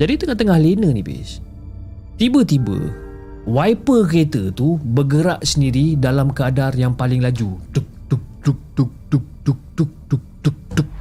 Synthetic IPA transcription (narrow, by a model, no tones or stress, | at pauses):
d͡ʒadit̪əŋaht̪əŋahlenə̃nibḭs | t̪ibət̪ibə̰ | wajpəket̪ət̪ubəɡəɾaʔsəndiɾidalamkəadarjaŋpalɪŋlad͡ʒut̪uk̚t̪uk̚t̪uk̚t̪uk̚t̪uk̚t̪uk̚t̪uk̚t̪uk̚t̪uk̚t̪uk̚